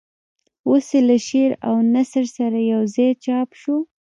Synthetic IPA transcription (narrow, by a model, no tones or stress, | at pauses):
oselaʃeɾa̰wnasɾsaɾajawzɑjt͡ʃɑpʃu